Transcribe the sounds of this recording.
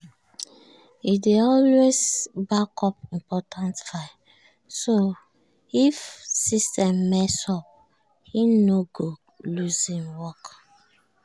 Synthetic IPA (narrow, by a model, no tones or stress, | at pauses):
ideɔlwezbakʰɔpĩmpɔtʰãntfa | so | ifsistɛ̃mːɛsɔp̚ | hinoɡo | luzĩmwɔk